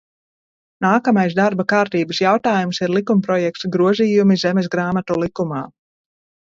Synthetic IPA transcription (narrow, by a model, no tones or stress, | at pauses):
naːkamajs̬d̪aɾbakaːɾt̪iːbəsjawt̪aːjumsiɾlˠikumpɾɔjɛk̚t̪sɡɾuɔziːjumizɛmɛs̬ɡɾaːmat̪ulˠikumaː